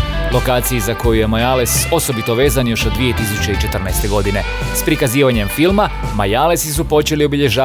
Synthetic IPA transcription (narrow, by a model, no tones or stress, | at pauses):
lo̞kaːt̪sijizako̞juje̞majaleso̞so̞bit̪oʋe̞ːzanjo̞ʃod̪ːʋije̞t̪is̬ut͡ɕeit͡ʃe̞t̪r̩nɛjst̪e̞ɡo̞d̪ine̞ | spɾikaziːʋaɲe̞mfilˠma | majalesisupo̞t͡ʃe̞lio̞biʎe̞ʒaː